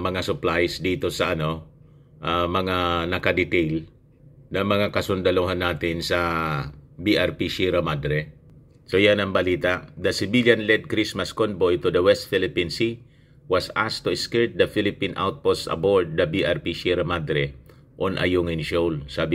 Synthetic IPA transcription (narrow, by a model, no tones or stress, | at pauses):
mɐŋasʊplajsd̪iːt̪o̞sɐʔɐno̞ | ʔamɐŋanɐkɐd̪ɪt̪ejl | nɐŋmɐŋakɐsʊnd̪ɐluɦanːaːt̪ɪnsɐ | biʔaɹpiʃiɾɐmad̪ɾɛ | sojanɐŋbɐliːt̪aʔd̪ɐsɪbiljanlɛd̪̚kɾismaskonbojt̪ʊd̪ɐwɛst̪̚fɪlɪpinsi | wɐsast̪ʊɛskɛɹt̪̚d̪ɐfɪlɪpinʔa̰wt̪̚posɐ̰boɹd̪̚ːɐbiʔaɹpiʃiɾɐmad̪ɾɛ | ʔonʔɐ̰jʊŋɪnʃowlsaːbɪ